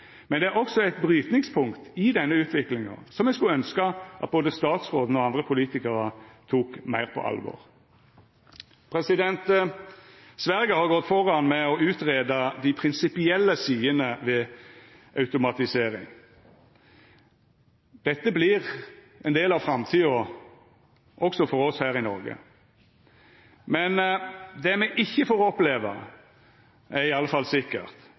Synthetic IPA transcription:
mɛnd̪ɛæʁɔksɔɛɪt̪̚bʁyːt̪nɪŋspʰʊŋkt̪ɪd̪ɛnːəʉːt̪ʰʋɪklɪŋɑ̰sɔmjɛskʉlœnskəʔɑ̰t̪̚boːd̪əst̪ɑːt̪sʁoːd̪n̩ɔɑnd̪ʁəpʰʊliːt̪ɪkəʁət̪ʰuːkmæɪʁpʰɔ̰ʔɑ̰lʋo̰ːʁ | pʰʁɛsɪd̪ɛnt̪ | sʋæʁɡəhɑʁɡɔt̪ːfɔʁɑnmɛɔʉːt̪ʁeːd̪ɑd̪ɪpʰʁɪnsɪpɪɛlːəsiːənəʋɛ | ɑʉt̪ʊmɑt̪ɪseːɾɪ̰ŋ | d̪̥ɛt̪ːəbliʁ | ɛnd̪eːlɑʋfɾɑmt̪ʰiːɔ | ʔɔksɔfɔɾɔshæːɾɪnɔ̰ʁɡə̰ | mɛnd̪ɛmɛʔɪçːəfoːɾɔpleːʋə̰ʁ | ɛɪɑlːəfɑlsɪkːə̰ʁt̪

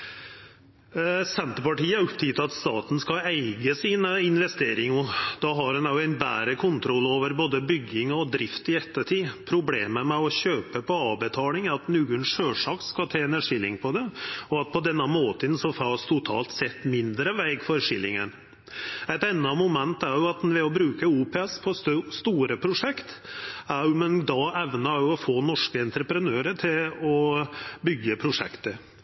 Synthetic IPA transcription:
sɛnt̪əɾpɑʈiːəæɾʊpt̪ʰiːt̪ɑt̪st̪ɑːt̪n̩skɑæɪɡəsiːnəɪnʋɛst̪eːɾɪŋɔd̪̥ɑɦɑɾhʉnɑjʊæɪnbæ̰ːɾəkʰʊnt̪ʰɾɔlːoːʋəɾboːd̪əbʏɡɪŋɔd̪ɾɪft̪ɪɛt̪ːəʈʰiːpʰɾʊbleːməmɛɔɕøːpəpʰɔɑːʋbɛt̪ʰɑːlɪŋæɾɑt̪nʉːɡʉɳʂøːʂɑːkskɑt̪ʰeːɛnæʂɪlːɪŋpʰɔd̪ɛɔɑt̪̚pʰɔd̪ɛnːəmoːt̪ənsɔfɑst̪ʰʊt̪ʰɑ̰ːlt̪sɛt̪ːmɪnd̪ɾəʋæɪɡfɔɾʂɪlːɪŋən | æɪt̪ɛnːɑmʊmɛnt̪æɾjʊɑt̪ʋɛɔbɾʉːkəuːpʰɛɛspʰɔst̪uːɾəpʰɾʊʂɛkt̪æmɛnd̪ɑɛʋnəjʊɔfoːnɔʂkəɛnt̪ɾəpɾənøːɾəʈʰɪlɔbʏɡːəpʰɾʊʂɛ̰kt̪ə

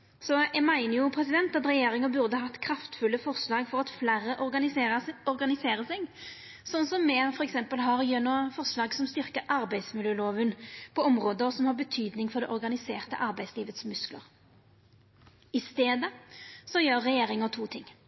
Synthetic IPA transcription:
sɔɛmæɪnəjʊpʰɾɛsɪd̪ɛnt̪ɑt̪ʁɛjeːɾɪŋəbʉʁd̪əɑɑt̪ːkʰɾɑft̪fʉlːəfɔʁslɑːɡfɔʁɑt̪flæːɾəʔ | ɔɾɡɑnɪseːʁəsɛɡ | sɔnːsɔmːɛfɔʁɛksɛmpəlɦɑʁjœnɔfɔʁslɑːɡsɔmst̪ʏʁkəɾʔɑɾbæɪd̪smɪljøːloːʋənpʰɔɔmʁoːd̪əsɔmhɑʁbət̪ʰyːd̪nɪŋfɔʁɾd̪ɛʔɔɾɡɑnɪseːʁt̪ə̰ʔɑɾbæɪsliːʋət̪smʉsklə̰ʁ | ɪst̪eːd̪əsɔjøːʁːɛjeːɾɪŋət̪ʰuːt̪ʰɪŋː

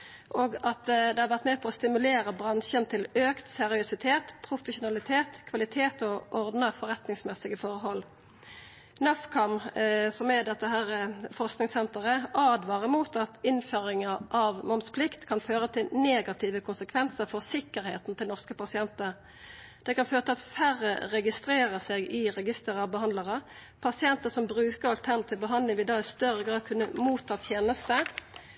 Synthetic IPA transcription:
ʔoːɡɑt̪d̪ɛhɑʁʋæʁt̪meːpʰɔːst̪ɪmʉleːʁəbʁɑnʃənt̪ʰɪløːkt̪sɛʁɪʊsɪt̪ʰeːt̪pʰʁʊfəʃʊnɑlɪt̪ʰeːt̪kʰʋɑlɪt̪ʰeːt̪ɔʔɔʁd̪nəfɔʁɛt̪nɪŋsmɛsɪɡəfɔʁɦɔl | nɑfkʰɑmsɔmɛd̪ɛt̪ːəɦæːʁəfɔʁsknɪŋsɛnt̪əʁəɑːd̪ʋɑːʁəmuːt̪ɑt̪ɪnføːʁɪŋəʔɑʋmɔmspʰlɪkt̪kʰɑnføːʁət̪ʰɪlneːɡɑt̪ʰiːʋəkʰʊnsəkʰʋɛnsəɾfɔʁsɪkːəɾheːt̪n̩t̪ʰɪlnɔʁskəpɑsɪɛnt̪əʁ | d̪̥ɛkɑnføːɾət̪ʰɪlɑt̪fæʁːə̰ʁɛɡɪst̪ɾeːʁəseːɡɪʁɛɡɪst̪əʁɑbəhɑnd̪lɑʁə | pʰɑsɪɛnt̪əsɔmbʁʉːkəʁɑlt̪ʰæʁnt̪ɪbəɦɑnd̪ɪŋʋɪd̪ɑːɪst̪œʁəɡʁɑːd̪̚kʰʉnːəmuːt̪ʰːɑːt̪ʰjeːnəst̪ə

